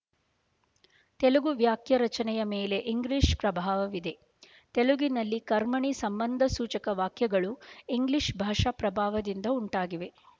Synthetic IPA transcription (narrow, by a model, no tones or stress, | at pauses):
t̪eluɡuʋjaːkjɐɾɐt͡ʃɐnɛjɐmeːle̞ʔiŋɡliʂpɾɐbʱaːʋɐʋid̪e̞ | t̪eluɡinɐlːikɐɾmɐɳisɐmbɐnd̪ʱɐsuːt͡ʃɐkɐʋaːkjɐɡɐɭuiŋɡliʂbʱaːʂapɾɐbʱaːʋɐd̪ind̪ɐuɳʈaːɡiʋe̞